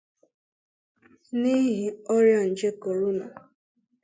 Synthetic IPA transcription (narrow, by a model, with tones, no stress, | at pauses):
ni˦ɦi˨ɔ˦ɾja˦n̩˨d͡ʒe˦ko˨ɾu˦na˨